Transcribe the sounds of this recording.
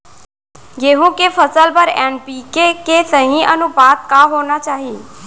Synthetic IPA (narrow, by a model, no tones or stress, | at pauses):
ɡeɦũkefəsəlpəɾenpikekesəɦĩʔə̰nũbat̪̚kaɦonat͡ʃaɦĩ